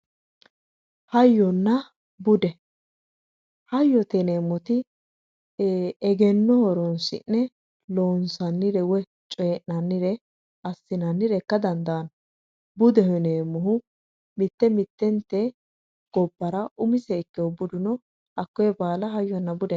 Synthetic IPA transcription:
hɐjːɔnːɐ | bʊd̪ɛ | hɐjːɔt̪ɛneːmːɔt̪ɪ | ɛɡɛnːɔhɔɾɔnsɪ̰nːɛ | loːnsɐnːɪɾɛwɛ | t͡ʃʼɔːʔːɐnːɪɾɛ | ɐsːɪnɐnːɪɾɛkːɐd̪ɐnd̪ɐɐn | bʊd̪ɛhɔneːmːʊɦʊ | mɪt̪ːɛmɪt̪ːɛnt̪ːɛ | ɡ̥ɔbːɐɾɐʔʊmɪsɛkːɛɔbʊd̪ʊnɔ | ʔɐkːɔjɛbaːlɐɦɐjːɔnːɐbʊd̪ɛ

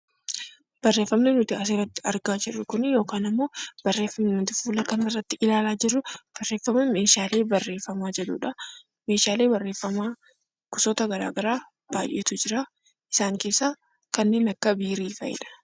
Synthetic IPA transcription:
b̥ɐrːeːfːɐmnenʊt̪ɪɐs̬ɪrɐt̪ːɪ̥ɐɾɡaːd͡ʒɪrːʊkʊnɪjo̞ːkaːnɪmːo̞ːb̥ɐrːeːfːɐmnɐnt̪ɪfuːlɐkɐnɪrːɐt̪ːɪʔɪlaːlaːd͡ʒɪrːʊb̥ɐrːe̞ːfɐmɐme̞ːʃaːle̞ːbɐrːe̞ːfːɐmaːd͡ʒɛᶑṵːᶑɐ | meːʃaːle̞ːbɐrːe̞ːfːɐmaː | kʊsoːt̪ɐɡɐɾa̰ːɡɐɾaː | b̥aːjʔeːt̪ʊd͡ʒɪɾaː | ʔɪsaːŋkeːsːaː | kɐnːe̞ːnɐkːɐbiːɾiːfɐ̰jɪ̰ᶑɐ̥

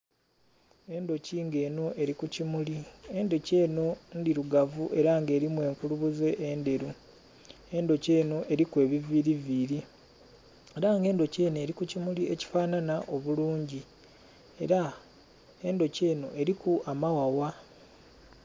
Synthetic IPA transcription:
e̞ndo̞ciːŋɡe̞ːno̞ʔe̞ɾikucimulie̞ndo̞ce̞ːno̞ndiɾuɡavuʔe̞ɾaŋɡe̞ːɾimwe̞ːŋkuluβuze̞ʔːnde̞ɾu | e̞ndo̞ce̞ːno̞ʔe̞ɾikwe̞ːβiviɾiviːɾi | eɾaŋɡe̞ːndo̞ce̞ːne̞ːɾikucimulie̞ci̥faːnanaʔo̞βuluːɲɟi | e̞ɾa | e̞ndo̞ceːno̞ʔe̞ɾikuamawawa

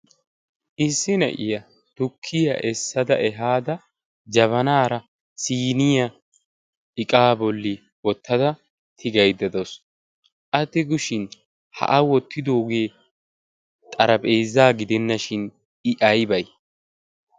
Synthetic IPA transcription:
ʔɪsːɪnɐ̰ʔɪjɐ | t̪ʊkʰːɪjɐ̰ʔɛsːɐd̪ɐʔɛɦaːd̪ɐ | d͡ʒɐβɐnaːɾɐ | siːnɪjɐ | ɪkʼaːbɔlːɪ | wɔt̪ʰːɐd̪ɐ | t̪ʰɪɡɐjd̪ɐd̪ɔs | ʔɐt̪ːɪɡʊʃɪn | hɐ̰ʔɐwɔt̪ʰːɪd̪o̞ːɡeː | t̪ʼɐɾɐpʼe̞ːzːaːɡɪd̪ɛnːɐʃɪn | ɪʔɐjbɐj

